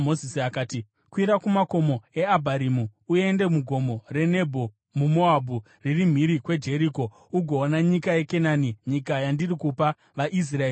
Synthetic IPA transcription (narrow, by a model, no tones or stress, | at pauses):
mozisiakaːti | kwiɾakumako̞mo̞e̞abʱaɾimuue̞ndemuɡʱo̞mo̞re̞ne̞bʱo̞ | mumoabʱu | ririm̤iɾikwe̞d͡ʒe̞ɾiko̞ | uɡʱo̞ːnaɲikaje̞ke̞naːniɲikajandirikupa | ʋaʔis̬raeː